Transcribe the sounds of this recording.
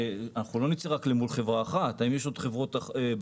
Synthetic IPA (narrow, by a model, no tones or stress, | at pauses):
anaχulo̞nit͡siʁaklemulχe̞vʁaːχat̪aimjeʃ̬o̞d̥χevʁo̞t̪aeb